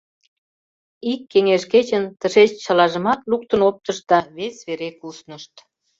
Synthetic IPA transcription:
ikːeŋeʃket͡ɕənt̪əʃet͡ɕt͡ɕɑlɑʒə̆mɑt̪luk̚t̪ənop̚t̪əʃt̪̚d̪ɑβesʲβeɾekusnəʃt̪

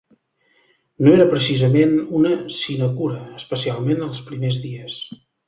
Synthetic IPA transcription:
noeɾəpɾəsizəmenunəsinəkuɾəːspəsialˠmenəlˠspɾimezðiəs

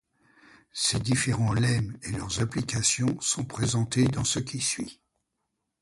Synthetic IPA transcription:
sed̪ifeʁɑ̃lɛmelœʁzaplikasjɔ̃sɔ̃pχezɑ̃t̪ed̪ɑ̃səkʲisɥi

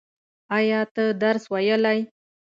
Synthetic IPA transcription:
ɑjɑt̪əd̪aɾswajəlaj

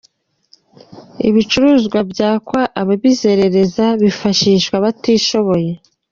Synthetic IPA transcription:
ḭβit͡ʃuɾuːzɡwabɟaːkwaʔaβaβizeɾe̞ɾe̞zaβifaʃiːʃkwaβatiːʃo̞βo̞je̞

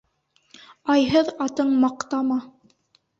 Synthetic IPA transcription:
ɑjɦɤðɑt̪ɤɴmɑqt̪ɑmɑ

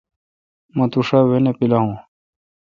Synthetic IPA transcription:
mɐ̃t̪uʂaːwenepilaːɦũː

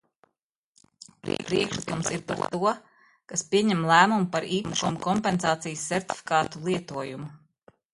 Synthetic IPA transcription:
pɾ̰pɾiɛkʃlˠikumsiɾpaɾt̪ːuɔ | kaspʲiɛɲɛmlˠæːmumupaɾiːpmukɔmkɔmpɛnsaːt̪sijsːɛɾt̪ʲi̥fʲi̥kaːt̪ulˠiɛt̪uɔjumu

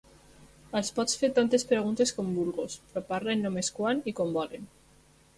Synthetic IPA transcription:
alspɔsfeɾt̪ant̪espɾeɣ̞unt̪eskombulɣospɾopaɾaenːomeskwanikombɔlen

